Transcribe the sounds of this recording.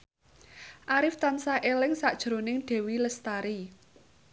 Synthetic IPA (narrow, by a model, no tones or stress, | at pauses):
ʔaɾɪft̪ansaʔelɪŋsaʔd̥ʒ̥ɾonɪŋɖ̥ɛ̤wiləst̪aɾi